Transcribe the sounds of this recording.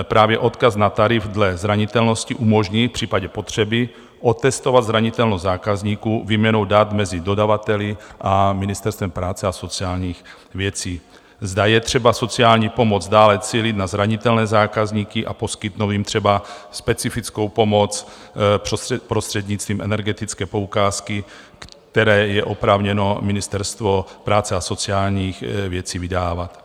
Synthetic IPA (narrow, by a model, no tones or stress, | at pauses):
pɾaːvjɛʔo̞t̪kasnat̪aɾɪvdlɛzɾaɲɪt̪ɛlno̞sciʔumo̞ʒɲifpr̥iːpaɟɛpo̞t̪r̝̥ɛbɪ | ʔot̪ɛst̪o̞vad̪zɾaɲɪt̪ɛlnozaːkazɲiːkuːvimɲɛnowdat̪mɛzɪdo̞davat̪ɛlɪʔamɪnɪst̪ɛɾst̪vɛmpɾaːt͡sɛaso̞t͡siaːlɲiːx | vjɛt͡siː | zdajɛt̪r̝̥ɛbaso̞t͡siaːlɲiːpo̞mod͡zdaːlɛt͡siːlɪt̪nazɾaɲɪt̪ɛlnɛːzaːkazɲiːkɪʔa̰po̞skɪt̪noviːmt̪r̥ɛbaspɛt͡sifɪt͡sko̞wpo̞mo̞t͡s | pɾst̪r̥ɛd̪ɲɪt͡st̪viːmʔɛnɛɾɡɛt̪ɪt͡skɛːpo̞ukaːskɪ | kt̪ɛɾɛːjɛʔo̞pɾaːvɲɛnomɪnɪst̪ɛɾst̪vopɾaːt͡sɛaso̞t͡siaːlɲiːxvjɛt͡siːvɪdaːvat̪